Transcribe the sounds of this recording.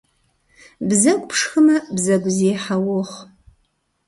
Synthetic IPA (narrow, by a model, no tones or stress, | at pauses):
bzɐkʷʼpʰʂxɨmɐbzɐɡʷzeːħawʊχ